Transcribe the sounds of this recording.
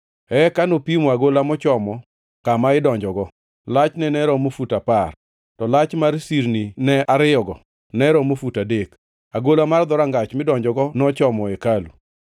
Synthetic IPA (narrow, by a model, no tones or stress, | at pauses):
ɛkanopimɔaɡolamɔt͡ʃɔmɔ | kamaɪdɔɲd͡ʒɔɡɔ | lat͡ʃnɛnɛɾɔmofutapar | tɔlat͡ʃmaɾsiɾninɛaɾɪɔɡɔ | nɛɾɔmofutadek | aɡolamard̪ɔɾaŋɡat͡ʃmɪdɔɲd͡ʒɔɡɔnɔt͡ʃɔmɔɛkalṵ